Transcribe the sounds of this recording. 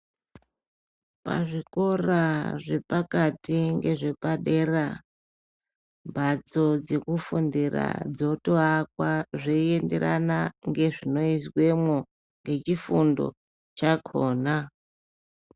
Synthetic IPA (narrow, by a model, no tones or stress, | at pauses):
pa̰ʐiko̞raʐe̞pakatiŋɡe̞ʐe̞paɗe̞ra | mbʱat͡sod͡ze̞kufundira̰d͡zo̞toak̚waʐeie̞nde̞̰ɾa̰naŋɡe̞ʐino̞iswe̞mwo | ŋɡe̞t͡ʃifundo̰ | t͡ʃakʰoːna